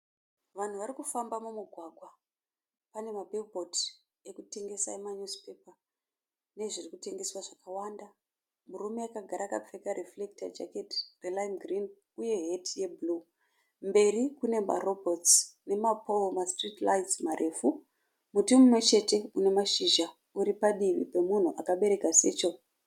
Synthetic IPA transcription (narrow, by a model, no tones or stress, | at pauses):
ʋan̤uʋaɾikufambamumuɡʱwaɡʱwa | pane̞mabʱilbot | e̞kute̞ŋɡe̞saemaɲuzpe̞pa | ne̞ʐirikute̞ŋɡe̞swaʐakawanda | murume̞akaɡʱaɾakap͡fekaɾeflekta̰d͡ʒa̰ketrelaimɡrin | uje̞ɦetje̞blu | mbe̞ɾikune̞ma̰robʱotsne̞mapomastritlajsmarʔe̞fu | mutimumwe̞t͡ʃe̞te̞une̞maʃiʒa | uɾipaɗiʋḭpe̞mun̤uʔakaɓe̞ɾe̞kase̞ːt͡ʃo̞